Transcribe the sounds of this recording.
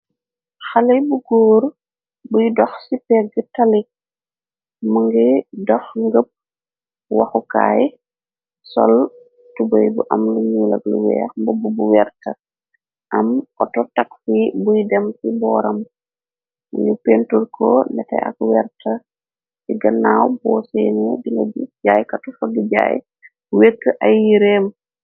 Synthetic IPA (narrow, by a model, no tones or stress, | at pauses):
xalɐjbuɡoːɾ | bujdɔxsipɛɡətɐlik̚ | muŋɡidɔxŋɡəp̚ | wɐxuka̰ːj | sɔ̰l | tubəjbuʔɐmluɲuːlɐ̰ɡluwɛ̰ːxmbububuwɛrtɐ | ʔɐmʔɔtɔtakfibujdɛmsibɔːɾɐm | uɲupentuɾkʰɔnɛtɛ̰ʔa̰kwɛɾtɐ | iɡɐnawbɔsɛnɛbinɐbuɟaːjkatufɐɡəɟa̰ːj | wekːəʔajːiɾeːm